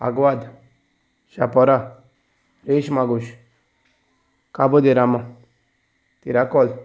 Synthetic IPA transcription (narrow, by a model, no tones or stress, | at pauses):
a̰ɡwad̪ | ʃapɔɾa | ɾeʃmaɡuʃ | kabod̪eɾama | t̪iɾakɔl